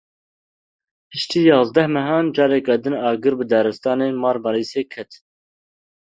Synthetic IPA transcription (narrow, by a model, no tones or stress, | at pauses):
hɨʃt̪iːjɑːzd̪ɛhmɛɦɑːnd͡ʒɑːɾɛkɛd̪ɨnɑːɡɨɾbɨd̪æːɾɨst̪ɑːneːnmɑːɾbɑɾiːseːkʰɛt̪